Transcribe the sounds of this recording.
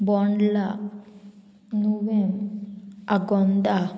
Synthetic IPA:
bɔɳɖla | nuʋem | aɡɔnd̪a

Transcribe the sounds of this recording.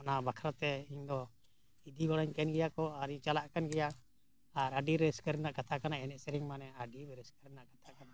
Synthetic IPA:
ɔnabakʰɾat̪ɛiɲd̪ɔ | id̪iɡɔɽɔɲkɛnɡɛjakɔaɾiɲt͡ʃalaʔkanɡɛja | aɾaɖiɾɛɾɛskəɾɛnaʔkat̪ʰakanaɛnɛʔsɛɾɛŋmanɛaɖibɛɾɛskəɾɛnaʔkḁt̪ʰakana

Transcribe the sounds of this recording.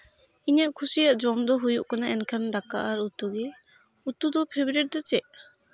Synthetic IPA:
iɲaʔkʰusijaʔd͡ʒɔmd̪ɔɦujuʔkanaʔɛnkʰand̪aka̰ʔaɾut̪uɡɛ | ut̪ud̪ɔpʰebɾɛʈ̚d̪ɔt͡ʃɛʔ

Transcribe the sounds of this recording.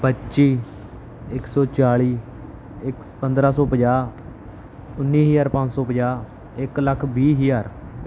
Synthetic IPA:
pətːʃiː | ɪksɔːt͡ʃaːɭiː | ɪk | pənd̪ɾaːsɔːpəd͡ʒaː | ʊnːiːɦəjaːɾpãɲd͡ʒsɔːpəd͡ʒaː | ɪkləkʰbiːɦijaːɾ

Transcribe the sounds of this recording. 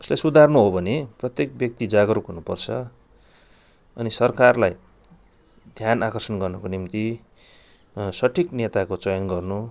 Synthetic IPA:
u̥slajsud̪ʱarnuɦobʱʌneprʌt̪jekbjʌk̚t̪id͡zaɡʌɾukɦunupʌ̰rt͡sʰʌ | ʌnisʌrkarlaj | d̪ʱjanakʌrsʌnɡʌrnʌkonimt̪i | sʌʈʰiknet̪akot͡sʌjʌnɡʌrnu

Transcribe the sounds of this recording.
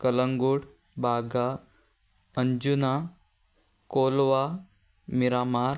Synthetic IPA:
kələŋɡuɽ | bʱaːɡa | əɲd͡ʑuna | koːlʋa | miɾamaɾ

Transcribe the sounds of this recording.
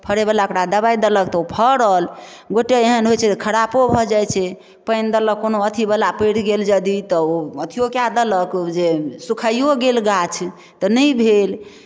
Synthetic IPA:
pʰəɾebəlaokɾad̪əbaid̪ələk̚t̪ɔopʰəɽəl | ɡoʈeeɦənɦojt͡ʃʰɛt̪kʰəɾapobʱɔd͡ʒajt͡ʃʰɛ | pəjnd̪ələkːonoət̪ʰibəlapəjɽɡeld͡ʒəd̪it̪ɔoət̪ʰijokjad̪ələkd͡ʒesukʰajoɡelɡat͡ʃʰ | t̪ənəjbʱel

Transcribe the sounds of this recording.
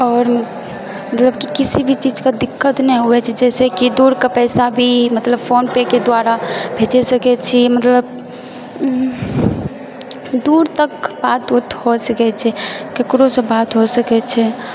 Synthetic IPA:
ɔːɾ | mət̪ləbkikisibʱit͡ʃid͡ʒkad̪ɪkːət̪nɛɦuɛt͡ʃʰɛd͡ʒɛsekid̪uɾkapɛɪsabʱimət̪ləbfonpeked̪waɾabʱed͡ʒɛsəkɛt͡ʃʰimət̪ləb̚ | d̪uɾt̪əkbat̪ut̪ʰɦosəkɛt͡ʃʰɛkekɾosəbat̪ɦosəkɛt͡ʃʰɛ

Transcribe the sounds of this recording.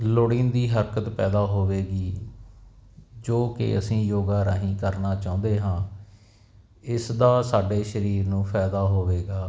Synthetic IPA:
loɽiːnd̪iːɦəɾkət̪pɛːd̪aːɦoːʋeːɡiː | d͡ʒoːkɪ̰əsĩːjoːɡaːɾaːɦĩːkəɾnaːt͡ʃãːʊ̃ːnd̪eːɦãː | ɪsd̪aːsaːɖeːʃəɾiːɾnũːpʰɛːd̪aːɦoːʋeːɡaː

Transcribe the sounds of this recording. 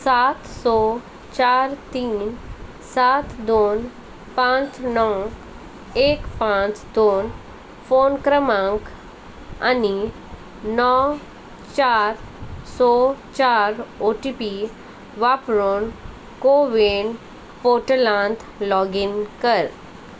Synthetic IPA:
sat̪sɔ | t͡ɕaɾt̪iːn | sat̪d̪on | pãt͡snɔ | ekpãt͡sd̪on | fonkɾəmãŋk | a̰ni | nɔw | t͡ɕaɾsɔt͡ɕaɾoʈipi | ʋapɾon | koʋeɳ | poʈəlãnt̪ | lɔɡinkəɾ

